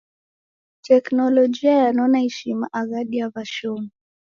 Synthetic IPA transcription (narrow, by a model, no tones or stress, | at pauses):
tʰɛknɔlɔd͡ʒiajanɔnahɛʃima̰ʔaɣaɗiavaʃɔm